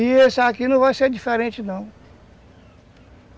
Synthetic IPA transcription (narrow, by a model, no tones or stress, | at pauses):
iesakinɐ̃w̃vajseɾd͡ʒifeɾẽt͡ʃɪnɐ̃w̃